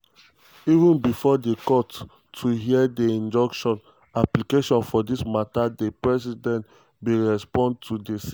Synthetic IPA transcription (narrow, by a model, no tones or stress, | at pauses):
ivũnbifɔdekɔtʰː | uɦiɛdeĩnd͡ʒɔ̃kʃɔ̃n | aplikeʃɔ̃nfɔdismatadepɹɛsidɛ̃nt | weɹɛspɔ̃nd̚tʰudes